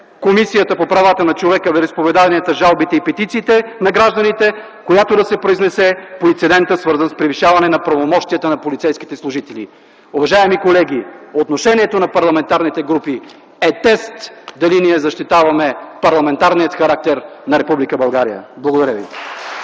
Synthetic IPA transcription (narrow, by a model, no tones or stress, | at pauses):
komisijət̪əpopɾavat̪ənɐt͡ʃovɛkəvɛɾispovɛd̪avɐniɛt̪ɐʒalˠbit̪ɛipɛt̪it̪siːt̪ɛnɐɡɾaʒd̪ɐnit̪ɛ | kojat̪od̪ɐsɛpɾoiznɛsɛpoint̪sɛd̪ɛnt̪əsvɤɾzənspɾiviʃavɐnɛnɐpɾɐvomɔʃt̪iət̪ənɐpolit̪sɛjsk̟it̪ɛslˠʊʒit̪ɛlḭ | uvɐʒaɛmikolɛɡ̟ʲiot̪noʃɛniɛt̪onɐpɐɾlˠɐmɛnt̪aɾnit̪ɛɡɾupi | ɛt̪ɛst̪d̪ɐliniɛzɐʃt̪it̪avɐmɛpɐɾlˠɐmɛnt̪aɾniət̪xɐɾak̚t̪ɛɾnɐɾɛpublikəbɐlˠɡaɾijə̰blˠɐɡod̪ɐɾʲjəvḭ